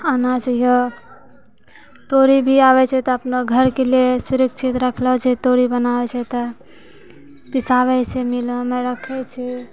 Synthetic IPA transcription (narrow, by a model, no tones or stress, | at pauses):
anat͡ʃaijo | t̪oɾibʱiaβɛt͡ʃʰɛt̪ɔəpnaɡʱəɾkeliesuɾikt͡ʃʰit̪ɾəkʰlɔɦt͡ʃʰɛt̪oɾibənabɛt͡ʃʰɛt̪ɔ | pisaβɛt͡ʃʰemilə̃mɛɾəkʰɛt͡ʃʰi